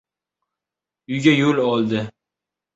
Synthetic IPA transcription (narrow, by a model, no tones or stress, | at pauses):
ʊjɡʲajolɒlˠd̪ɪ